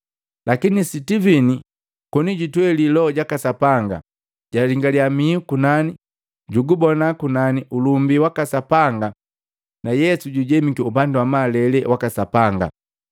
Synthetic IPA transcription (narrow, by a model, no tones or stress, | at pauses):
lakinisitivini | kɔniɟitwɛlilɔɟakasapaŋɡa̰ | ɟ̥aliŋɡaliamiukunani | ɟuɡubɔnakunaniʔulumbiwakasapaŋɡa | najɛsuɟuɟɛmikiupanduwamalɛlɛwakasapaŋɡa̰